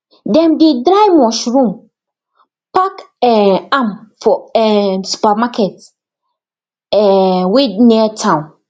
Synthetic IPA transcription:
dɛ̃nbidɾaɪmɔ̃ʃɾũm | pʰak | ɛãmfɔɛsu̥pamakʰɛt | ɛwɪniatʰãʊ̃n

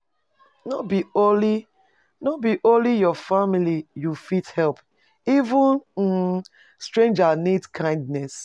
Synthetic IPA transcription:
nɔtbioli | nɔt̚biʔõnlijɔfamilijufithɛlp | ivũn̩ | stɹẽnd͡ʒanitkʰãɪ̃ndnɛs

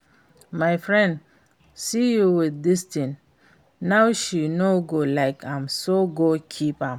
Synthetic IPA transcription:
maɪfɹɛ̃nd | sijuwiðdistĩn | nawʃinoɡolaɪkʰãmsoɡokʰipãm

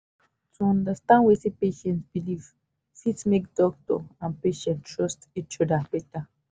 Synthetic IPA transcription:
tʰuɔ̃ndastãnwesepeʃɛ̃ntsbiliv̥ | sitsmek̚dɔk̚tɔ̰ãnpeʃɛ̃ntɹɔstit͡ʃɔdab̥ɛta

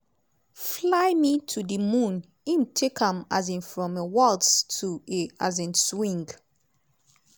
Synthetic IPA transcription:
flaɪmitʰudəmũn | imtʰekãma̰zĩnfɹɔ̃mewɔlttʰueazĩnswĩŋɡ

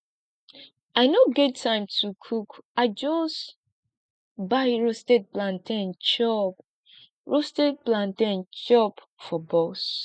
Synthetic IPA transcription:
aɪnoɡɛtʰːãɪ̃mtʰukʰukaɪd͡ʒɔs | bajɹostet̚plãntɛ̃nt͡ʃɔp | ɹostɛt̚plãntɛ̃nt͡ʃɔp | fɔbɔs

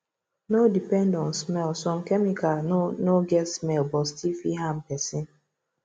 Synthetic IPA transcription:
nodipɛ̃ndɔ̃nsmɛlsɔ̃m̩kɛmikanoɡɛtsmɛlbɔstifiɦam̩pɛsin

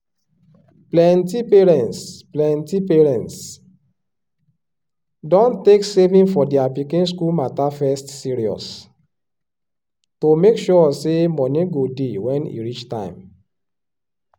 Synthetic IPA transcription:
plɛ̃ntipɛɹɛ̃ntsplɛ̃ntipɛɹɛ̃nts | dɔ̃nteksevĩŋfɔdiapikĩns̬kulmatafɛstsiɹiɔ̰s | tomekʃɔsemɔnĩɡodewɛ̃nḭɹit͡ʃtã̰ɪ̃m

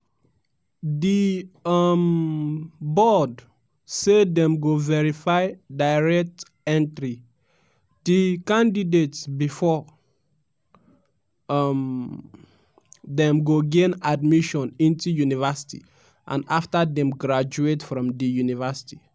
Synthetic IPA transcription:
diʌm | bɔd | sedɛ̃mɡovɛɹifaɪdaɪɹɛk̚t | ɛ̃ntɾi | dikãndidetsbifɔ | m | dɛ̃mɡoɡẽnad̚miʃɔ̃nĩntujunivɛsi̥tḭ | ʔã̰naftadɛ̃mɡɹad͡ʒuetfɹɔ̃mdijunivəsi̥ti

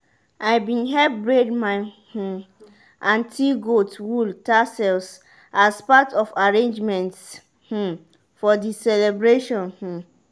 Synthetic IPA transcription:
ʔaɪbĩnɦɛbɹedmãn | h̩ | ʔãntʰiɡotwultasɛls | aspatʰɔfaɹẽnd͡ʒmɛ̃nts | h̩ | fɔdisɛlɛbɹeʃɔ̃nh̩

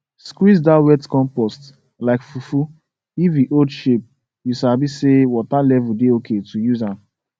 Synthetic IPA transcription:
skwizdawɛtkɔ̃mpɔst | laɪkfufu | ifiʔodʃep̚ | jusabisewɔtalɛvudeokʰetʰujuzãm

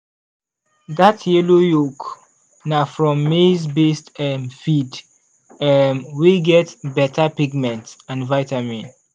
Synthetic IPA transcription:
ðatʰjɛlojok | nafɹɔ̃mːezbestɛmfid | ɛmwiɡɛtbɛtʰapiɡmɛ̃ntãnvaɪtamĩn

